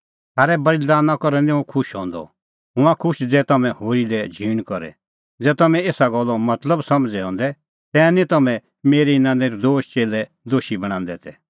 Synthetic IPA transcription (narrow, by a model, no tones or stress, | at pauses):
t̪aːɾɛbɐɾid̪aːnãkɔɾɛ̃nd̪ɛũkʰʊʃɦɔ̃ːnd̪ɔ̰ | ɦʊ̃ãkʰʊʃd͡zɛːt̪ɐmɛ̃hoːɾilɛd͡ʒʱiːɽ̃kɔɾɛ̰ | d͡zɛːt̪ɐmɛ̃eːsaɡɔlːɔmɐt̪ləbsɐmd͡zɛɦɔ̃ːnd̪ɛ | t̪ɛ̃ːnĩt̪ɐmɛ̃ | meːɾiɪnãːnd̪eɾid̪oːʃt͡ʃeːlɛ | d̪oːʃibɐɽ̃ãːnd̪ɛt̪ʰɛ